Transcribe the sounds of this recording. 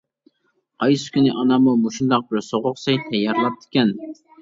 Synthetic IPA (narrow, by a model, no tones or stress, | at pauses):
qʰɑjsɪ̥kʲynɪʔɑnɑmumuʃund̪ɑq̚bɪɾsoʁʊqsɑjt̪ʰɛjːɑɾlˠɑp̚d̪̥ʰɪ̥kʲɛn